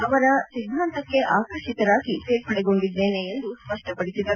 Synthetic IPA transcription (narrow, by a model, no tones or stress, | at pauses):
ɐʋɐɾɐsid̪ʱɾɐnt̪ɐkːe̞ʔaːkɾɐʂit̪ɐɾaːɡipeːʈ̚pɐɽɛɡo̞ɳɖid̪ːe̞ːneːnd̪uspɐʂʈɐpɐɽisid̪ɐɾ